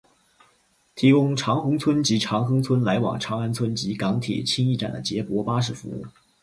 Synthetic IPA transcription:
t̪ʰi˧˥kʊ˥ŋʈ͡ʂʰɑ˧˥ŋxʊ˧˥ŋt͡sʰwə˥nt͡ɕi˧˥ʈ͡ʂʰɑ˧˥ŋxɤ˥ŋt͡sʰwə˥nla˧˥ɪwɑ̰˨˩ŋʈ͡ʂʰɑ˧˥ŋa˥nt͡sʰwə˥nt͡ɕi˧˥kɑ˧˥ŋt̪ʰjɛ̰˨˩t͡ɕʰi˥ŋi˥˩ʈ͡ʂa̰˨˩nd̪ə̰˦t͡ɕjɛ˧˥pwɔ˧˥pa˥ʂ̬ɻ̩˥˩fṵ˧˥ṵ˥˩

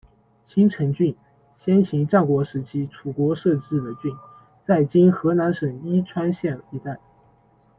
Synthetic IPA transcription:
ɕi˥nʈ͡ʂʰə˧˥ŋt͡ɕy˥˩n | ɕjɛ˥nt͡ɕʰi˧˥ŋʈ͡ʂɑ˥˩ʊkwɔ˧˥ʂɻ̩˧˥t͡ɕʰi˥ʈ͡ʂʰu˨˩kwɔ˧˥ʂɤ˥˧ʈ͡ʂɻ̩˥˩d̪ə˩t͡ɕy˥˧n | t͡sa˥˩ɪt͡ɕi˥nxɤ˧˥na˧˥nʂə˨˩ŋi˥ʈ͡ʂʰwa˥nɕjɛ˥˩ni˧˥t̪a˥˩ɪ

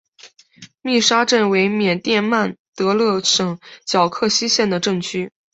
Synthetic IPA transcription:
mi˥˩ʂa˥ʈ͡ʂə˥˩nwe˧˥ɪmjɛ˨˩nt̪jɛ˥˧nma˥˩nt̪ɤ˧˥lɤ˥˩ʂɤ˨˩ŋt͡ɕjɑ˨˩ʊkʰɤ˥˩ɕi˥ɕjɛ˥˩nd̪ə˩ʈ͡ʂɤ˥˩ŋt͡ɕʰy˥

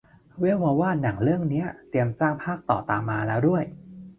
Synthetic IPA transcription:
wi˦˥əwa˧waː˥˩na˩˦ŋɾɯ˥˩əŋni˦˥ɐt̪i˧əmt͡ɕaː˥˩ŋpʰaː˥˩k̚t̪ɔ̰ː˨˩t̪aː˧mːaː˧lɛː˦˥wdu˥˩əj

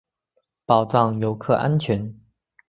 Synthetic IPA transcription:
pɑ˨˩ʊʈ͡ʂɑ˥˩ŋjo˧˥ʊkʰɤ̰˥˧ʔa̰˥nt͡ɕʰɥɛ˧˥n

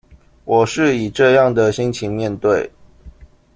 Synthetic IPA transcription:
wɔ˨˩ʂɻ̩˥˩i˨˩ʈ͡ʂɤ˥˧jɑ˥˩ŋd̪ə˨ɕi˥ŋt͡ɕʰi˧˥nmjɛ˥˧nt̪we˥˩ɪ

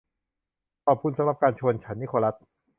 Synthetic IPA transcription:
t̪ɔː˨˩p̚ʰu˧˥˩nsa˧˦mɾa˨˩p̚kaː˧nt͡ɕʰu˧ənt͡ɕʰa˦˥nːi˦˥kʰoː˧ɾa˦˥t̪̚

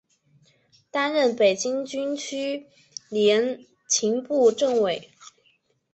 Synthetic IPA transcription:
t̪a˥nɻə˥˩npe˨˩ɪt͡ɕi˥ŋt͡ɕy˥nt͡ɕʰy˥ | ljɛ˧˥n | t͡ɕʰi˧˥ŋpu˥˧ʈ͡ʂɤ˥˩ŋwe˨˩˦ɪ

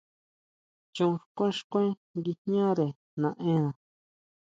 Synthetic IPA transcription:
t͡ʃũ˧ʂkʷẽ˦˧ʂkʷẽ˦ | ŋɡi˧ɲã˦ɾe˨ | nã˨˧ʔẽ˦nã˨

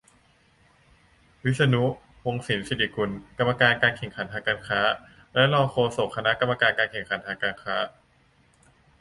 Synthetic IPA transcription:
wi˦˥t̪̚sa˧nu˦˥ | wo˧ŋsi˩˦nsi˧˦t̪ʰi˧˩ku˧nka˧mːa˧kaː˧nkaː˧nkʰe˨˩ŋkʰa˩˦nt̪ʰaː˧ŋkaː˧nkʰaː˦˥ | lɛ˦˥lɔː˧ŋkʰoː˧so˨˩kʰːa˧na˦˥ʔka˧mːa˧kaː˧nkaː˧nkʰe˨˩ŋkʰa˨˩˦nt̪ʰaː˧ŋkaː˧nkʰaː˦˥

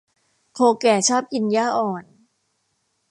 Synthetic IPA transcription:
kʰoː˧kɛː˨˩t͡ɕʰɔː˥˩p̚ʔi˧njaː˥˩ʔɔː˨˩n

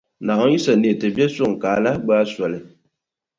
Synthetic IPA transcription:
na˨ɔ˦ji˦sa˨ne˨tɨ˨bɛ˦sʊ˦˨ŋ˨kaː˨˦la˦ɡ͡baː˦sa˨lɪ˨

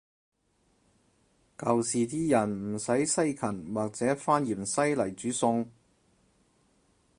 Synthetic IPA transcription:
kɐ˨wsiː˨t̪iː˥jɐ˨˩nm̩˨˩sɐ˨˥jsɐ˥jkʰɐ˨˩nwaː˨k̚t͡sɛː˨˥faː˥njiː˨˩msɐ˥jlɐ˨˩jt͡syː˨˥sʊ˧ŋ

